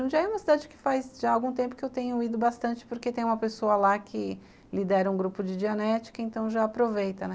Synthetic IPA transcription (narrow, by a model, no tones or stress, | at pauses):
ũd͡ʒiɐɛũmɐsid̪ad͡ʒɪkɪ̥fajzʒaawɡũt̪ẽmpʊ̥kɪewt̪ẽɲʊid̪ʊbast̪ɐ̃nt͡ʃɪ̥poɾket̪ẽj̃ũmɐpesoɐlakʰɪ | lid̪ɛɾɐũɡɾupʊd͡ʒɪd͡ʒiɐnɛt͡ʃɪ̥kɐẽnt̪ɐ̃w̃ʒaapɾovejt̪ɐnɛ